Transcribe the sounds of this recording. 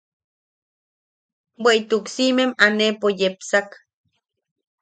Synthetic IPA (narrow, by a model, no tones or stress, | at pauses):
weit̪uksimemanepojepsak